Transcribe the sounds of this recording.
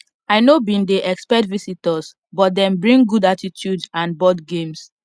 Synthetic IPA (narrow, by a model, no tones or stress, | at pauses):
aɪnobĩndeʔɛkspɛtvisitəs | bɔt̚dɛ̃mbɹĩŋɡudatitʰjudsãnbɔdɡẽms